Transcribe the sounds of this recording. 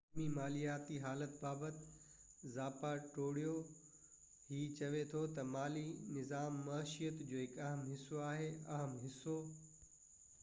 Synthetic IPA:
mimaːlijaːt̪iɦaːlət̪̚baːbət̪ɪ | zaːpaʈoːɽijo | ɦiːt͡ɕɐʋet̪ʰot̪ɐmaːlinɪzaːmːaːʃijət̪d͡ʑoːɦɪkɐɦəmɦɪsoaːɦeɐɦəmɦɪso

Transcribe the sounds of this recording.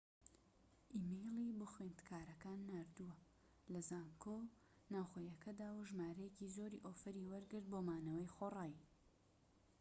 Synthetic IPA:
ʔimejlˠibuxwend̪kʰaːɾɐkaːnːaːɾd̪uwɐ | lɐzaːŋkʰo | naːwxoːjɐkʰɐd̪aːwɐʒmaːɾɛjecizoːɾḭʔoːfɐɾiwɐɾɡɨɾt̪̚boːmaːnɐwɐjxoːraːj

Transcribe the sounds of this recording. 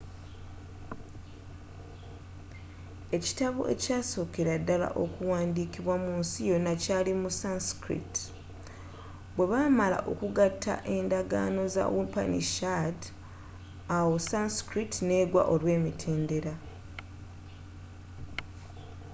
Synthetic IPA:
e̞ci̥taβo̰ʔe̞̰caːso̞ːkeɾadːala̰ʔo̞̰kuwaːndiːkiβwamuːnsijo̞nacaːlimusanskɾḭt | bwe̞βaːmala̰ʔo̞̰kuɡatʰːa̰ʔe̞ːndaɡa̰ːno̞za̰wupa̰nḭʃad | awosanskɾitne̞ːɡwa̰ʔo̞lwe̞ːmitʰe̞ːnde̞ɾa

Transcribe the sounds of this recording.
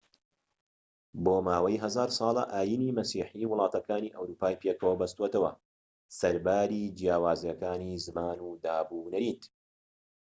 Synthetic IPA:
boːmaːwɐjɦɐzaːɾsˤɑːlˠɐ̰ʔaːjiːniːmɐsiːħiwʊlˠɑːt̪ɐkaːniːʔɐwɾuːpaːijpʰjeːkʰɐwɐbɐst̪wet̪ɐwɐ̰ | sɐɾbaːɾid͡ʒjaːwaːzijɐkaːniːzɨmaːnuːd̪aːbuːnɐɾint̪

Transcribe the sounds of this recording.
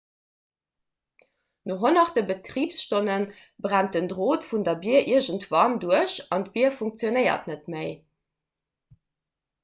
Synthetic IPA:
noːɦonɑχdəbətʁiːpsʃtonən | bʁænt̚əndʁoːtfundɐbiɐʔiɐʒəntvɑnduəɕɑntb̥iɐfuŋk̚t͡sjonəɪɐ̰tnətməɪ

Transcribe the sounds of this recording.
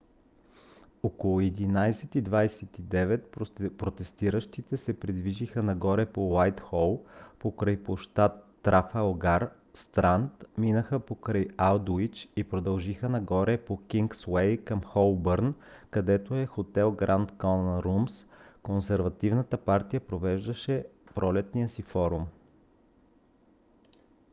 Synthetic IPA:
okolˠʊɛd̪inajsɛt̪id̪vajsɛt̪id̪ɛvɛt̪̚pɾot̪ɛst̪iɾəʃt̪it̪ɛsɛpɾid̪viʒixənɐɡɔɾɛpowajt̪xɔlˠpokɾəjpoʃt̪at̪ːɾafɛlˠɡaɾ | st̪ɾant̪minəxəpokɾəjalˠd̪oit͡ʃipɾod̪ɐlˠʒixənɐɡɔɾɛpokiŋkswɛjkɐmxɔlˠbəɾnkɐd̪ɛt̪oɛxot̪ɛlˠɡɾant̪kɔnɾumskonsɛɾvɐt̪ivnət̪əpaɾt̪ijəpɾovɛʒd̪ɐʃɛpɾʔɔlɛt̪nijəsifɔɾum

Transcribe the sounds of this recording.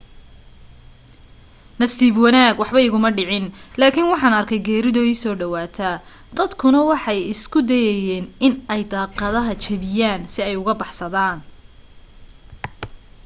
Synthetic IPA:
nɐsiːbwɑnaːɡwɑħβɐɪɣʊmɐɖɪʕɪnlaːkʰɪnwɑħɑːnɐrkʰɛjɡɛːɾɪðɔːisɔːɖɐwaːt̪ʰɐ | d̪̥ɐd̪kʰʊnɐwɑħɑjɪskʰʊd̪ɛjɛjɛːnɪnɛjd̪ɑːqɐðɐɦɐt͡ʃʰɐβɪjaːnsɪɛjʊɣɐbɑħsɐðaːn

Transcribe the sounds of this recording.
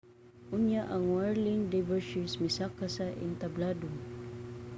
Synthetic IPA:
ʔʊnjaʔaŋwaɹliŋdavəʃismisakasaʔɪ̰nt̪abladʊŋ

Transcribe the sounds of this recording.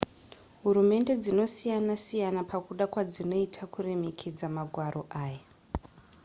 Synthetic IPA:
ɦuɾume̞nde̞d͡zino̞sijanasijanapʰakuɗakwad͡zino̞itʰakure̞me̞kʰed͡zamaɡʱwaɾoʔaːja

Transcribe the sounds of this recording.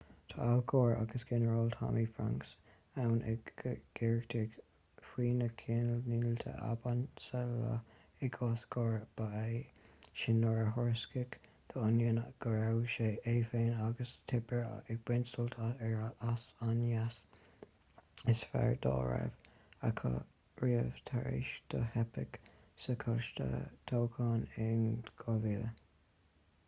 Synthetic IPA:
t̪ʰəʔalɡɔːɹa̰ɡ̥əsɡ̥ɛnəɹɔlt̪ʰa̰mifɹa̰ŋks | awnʔɪɡɡ̥ɪɹɡt̪ʰɪɡ | fwiːnəkʰinəlniːlt̪ʰə̰ʔa̰bansɛlə̰ | ɪɡʰɔsɡ̥ɔːɹb̥aeʃɪnɔɹəɦɔɹskɪɡ | t̪ʰəʊnjənɡ̥əɹawʃeeːfeːnaɡəst̪ʰɪbəɹɪɡ̚b̥ɪnsəlt̪ʰɛɹasanjas | ɪsfɛ̰ɹd̪ɑ̰ːɹɛ̰v | akʰɑ̰ | ɹiːəvt̪ʰaɹḭʃd̪̥ə̰hɛpəɡ | səkʰɔʃt̪ə̰t̪ʰowkʰɑːnɪnɡ̥ɔvilə

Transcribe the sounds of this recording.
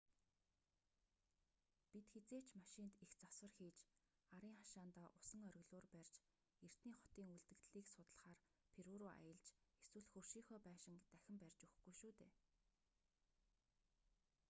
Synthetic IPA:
pit̪xet͡seːt͡ɕmaʃɪnt̪ixt͡saswə̆rxiːt͡ɕ | aɾiːŋχaʃaːnt̪aːʔʊsə̆ŋœɾ̆ʲɣɮʊːrpærʲt͡ɕ | er̥t̪niːχɔ̥t̪iːŋuɮt̪ɘ̆t̪ɮiːksʊt̪ə̆ɮχaːrpʰeɾuːɾʊːʔa̰jə̆ɮt͡ɕeswɘ̆ɮxɵrʃiːŋxɔːpæːʃɪ̆ŋt̪æxʲɪ̆mpærʲt͡ɕuxɡujʃuːt̪eː

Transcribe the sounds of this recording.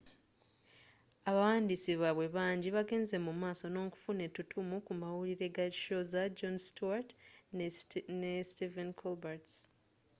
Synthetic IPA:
aβawaːndiːsiβaβwe̞βaːɲɟiβaɡe̞ːnze̞mumaːso̞no̞ːku̥fune̞tutʰumukumawuliɾe̞ɡaiʃozad͡ʒonstuat | nestivenkʰolbaɾts

